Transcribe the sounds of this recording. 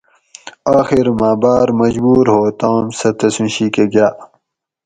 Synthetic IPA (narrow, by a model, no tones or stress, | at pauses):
aːxiɾmaːbaːɾmɐd͡ʑbuːɾɦoːt̪aːmsɐt̪ɐsũɕiːkeɡaː